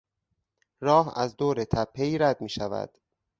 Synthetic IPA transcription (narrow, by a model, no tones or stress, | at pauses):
rɒːɦæ̰zd̪oːɾet̪ʰæpʰːe̞jɾæd̪̚miːʃævæ̰d̪̥